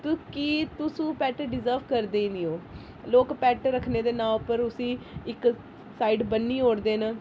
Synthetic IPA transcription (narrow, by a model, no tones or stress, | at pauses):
t̪ukiːt̪ʊsũːpɛːʈɖɪzəɾʋkəɾd̪eːiniːoː | loːkpɛːʈɾəkʰneːd̪eːnaːʊpəɾʊsĩːɪk | saːiɖbənːiːɦoːɽd̪eːnə